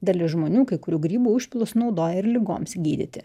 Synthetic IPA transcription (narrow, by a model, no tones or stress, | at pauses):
d̪ɐlʲɪʒmoːnʲuːkɐɪkʊɾʲuːɡɾʲiːbuːʊʃʲpʲɪlˠʊsnɒʊd̪oːjɛɪɾlʲɪɡo̰ːmsɡʲiːd̪ʲɪ̰t̪ʲɪ